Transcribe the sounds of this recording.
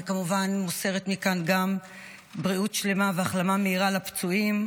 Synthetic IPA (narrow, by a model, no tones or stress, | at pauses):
kamuvanmuse̞ʁet̪mikanɡam | bʁiutʃle̞maveaχlamameiʁalapt͡suim